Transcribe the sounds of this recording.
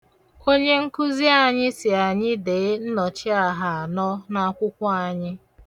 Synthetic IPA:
o˦ɲe˦ŋ̩˦kʊ˦zi˦a˦˨ɲɪ˦sɪ˨a˨ɲɪ˦de˨˦n̩˦nɔ˨t͡ʃɪ˦a˦˨ɦa˨a˨nɔ˦na˦kʷʊ˦kʷʊ˦a˨ɲɪ˦

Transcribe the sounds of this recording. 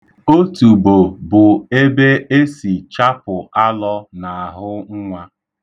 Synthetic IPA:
o˦tu˨bo˨bʊ˨e˦be˦e˦si˨t͡ʃa˦pʊ˨a˦lɔ˦na˨a˨ɦʊ˦ŋ̩˦ŋʷa˦

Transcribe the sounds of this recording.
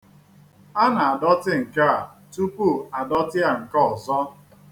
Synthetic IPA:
a˦na˨a˨dɔ˦tɪ˦ŋ̩˨ka˦a˨ | tu˦pu˦˨a˨dɔ˦tɪ˦a˨ŋ̩˨kɔ˦ɔ˨zɔ˦

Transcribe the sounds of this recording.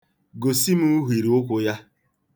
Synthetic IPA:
ɡo˨si˦mu˦ɦʷi˨ɾi˨ʊ˦kʷʊ˨ja˦

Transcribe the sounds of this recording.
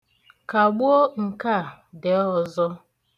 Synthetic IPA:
ka˨ɡ͡bʊ˦o˦ŋ̩˨ka˦˨ | de˨˦ɔ˨zɔ˦

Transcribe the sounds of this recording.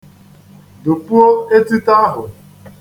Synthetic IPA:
do˨pu˦o˦e˦ti˦ta˦ɦʊ̰˨

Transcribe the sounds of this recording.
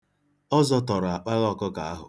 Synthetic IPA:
ɔ˦zɔ˦tɔ˨ɾa˨k͡pa˦ɣɔ˦˨kʊ˦ka˨a˦ɦʊ̰˨

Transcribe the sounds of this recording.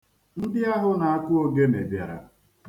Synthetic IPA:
n̩˦dɪ˦a˦ɦʊ˦na˨a˦kʷʊ˦o˦ɡe˦me˨bja˨ɾa̰˨

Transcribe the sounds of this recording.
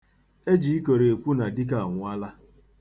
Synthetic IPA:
e˦d͡ʒi˨˦i˦ko˨ɾe˨e˨kʷu˦na˨di˦k̬a˦˨a˨ŋʷʊ˨˦a˦la˦

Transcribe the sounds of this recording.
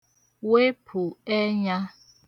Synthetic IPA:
we˦pʰu˨e˦ɲa˦

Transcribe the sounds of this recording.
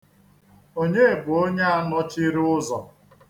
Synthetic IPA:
o˦ɲe˦e˨bʊ˨o˦ɲe˦a˦nɔ˦t͡ʃɪ˦ɾʊ˦zɔ˨

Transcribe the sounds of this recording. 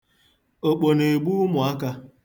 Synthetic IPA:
o˨k͡po˨ne˨ɡ͡bu˦mʊ˨a˦ka˦

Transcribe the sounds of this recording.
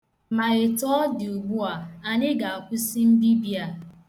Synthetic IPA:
ma˨ɾɪ˨tɔ˦dɪ˨u˨ɡ͡bu˦a˨a˨ɲɪ˦ɡa˨a˨kʷʊ˦si˦m̩˦bi˦bi˦a˨

